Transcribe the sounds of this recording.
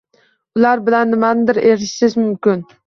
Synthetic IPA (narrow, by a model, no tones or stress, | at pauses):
ʊlaɾbɪlanːɪmanɪd̪ɪɾeɾɪʃsɪzmʊmkʲɪn